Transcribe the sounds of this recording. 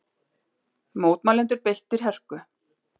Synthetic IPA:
moːwt̪maːlɛnt̪ʏɾpejht̪ɪɾ̥ɦɛr̥kʏ

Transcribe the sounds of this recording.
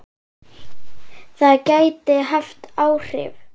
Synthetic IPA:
θaðcaːjt̪ɪɦaft̪aːwr̥ɪ̰v

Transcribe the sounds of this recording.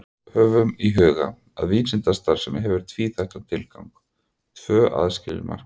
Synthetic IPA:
ɾ | hœːvʏmiɦœːɣa̰ | a̰ðviːnsɪnt̪ast̪aɾ̥sɛmɦɛvʏɾ̥t̪ʰviːθajht̪at̪ʰɪlkawŋk | t̪ʰvœːʔa̰ðscɪlɪ̰ma̰ɾ̥

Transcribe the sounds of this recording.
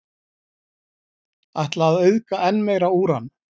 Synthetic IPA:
ajht̪laːðœɥðkaʔɛnːmɛɣɾauːɾan

